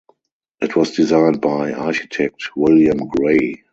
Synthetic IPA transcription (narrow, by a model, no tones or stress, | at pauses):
ʔɪtʰwɔsdizãɪ̃n̚baɪaʃitʰɛk̚twɪljə̃mɡɹeɪ